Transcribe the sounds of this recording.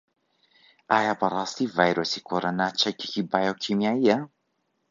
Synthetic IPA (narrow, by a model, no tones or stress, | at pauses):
ajapaɾasivajɾusikʰoɾonat͡ʃaki̥kibajawkʰimiaia